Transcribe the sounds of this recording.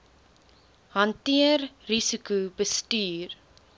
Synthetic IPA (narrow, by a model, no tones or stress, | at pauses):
ɦɐntiərrisikubəstyːr